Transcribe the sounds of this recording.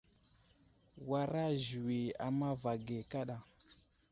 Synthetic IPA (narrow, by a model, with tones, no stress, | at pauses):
wa˨ɾa˦ʒi˨wi˨a̰˨ma˦va˨ɡe˨ka˦ɗa˨